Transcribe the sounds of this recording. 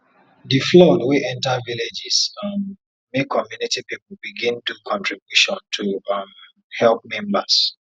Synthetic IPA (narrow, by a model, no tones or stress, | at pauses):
diflɔdwiʔɛ̃ntaviled͡ʒisãn | mekʰːɔmjunitipipl̩biɡĩndukʰɔ̃ntʰɹibjuʃɔ̃ntʰuam | hɛlp̚mɛ̃mbas